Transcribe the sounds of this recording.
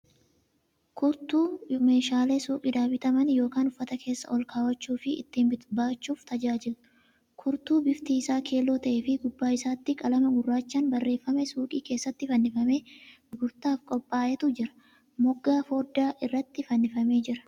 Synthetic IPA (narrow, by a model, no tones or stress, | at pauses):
kʊɾt̪uːme̞ːʃaːle̞ːsuːkʼiːd̪aːbɪt̪ɐmɐnjo̞ːkaːnʊfːɐt̪ɐkʰe̞ːsːɐ̰ʔɔlkaːwɐt͡ʃːuːfɪɪ̰t̪ːiːnbɪbaːt͡ʃːuːft̪ɐd͡ʒaːd͡ʒɪlʊ | kʰʊɾt̪uːbɪft̪iːsaːkʰe̞ːlo̞ːt̪ɐʔefɪɡʊbːaːɪsaːt̪ːɪkʼɐlɐmɐɡʊrːaːt͡ʃːanbɐrːe̞ːfːɐmɛsuːkʼiːke̞ːsːɐt̪ːɪfɐnːɪfɐmeː | ɡʊɾt̪aːfkʼɔpʼːaːʔɛt̪ʊd͡ʒɪɾɐ̥ | mɔɡːaːfoːd̪aːʔɪrːɐt̪ːɪfɐnːɪfɐme̞ːd͡ʒɪɾɐ̥